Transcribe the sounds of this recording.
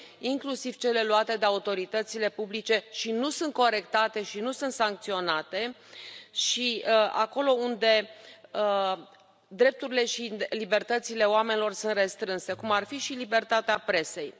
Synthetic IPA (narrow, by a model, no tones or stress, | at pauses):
iŋklusiv̥t͡ʃe̞le̞luat̪e̞d̪eaut̪o̞ɾit̪ət̪sile̞publit͡ʃe̞ʃinusunt̪̚ko̞ɾe̞kt̪at̪e̞ʃinusunt̪saŋk̚t̪sio̞nat̪e̞ | ʃia̰ko̞lo̞und̪e̞ə | d̪ɾe̞p̚t̪uɾile̞ʃilibe̞rt̪ət̪sile̞oame̞nilo̞rsunt̪re̞st̪ɾɨnse̞kumarfiʃilibe̞rt̪at̪eapɾe̞se̞j